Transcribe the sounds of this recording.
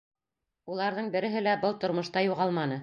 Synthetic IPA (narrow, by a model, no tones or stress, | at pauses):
ulˠɑɾðɤɴbɘ̆ɾɘ̆ɦɘlæbɤlˠt̪ŏɾmŏʃt̪ɑjuʁɑlˠmɑnɤ